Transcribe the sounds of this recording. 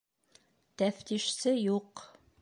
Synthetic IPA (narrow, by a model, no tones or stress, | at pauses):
t̪æft̪iʃsɘjuq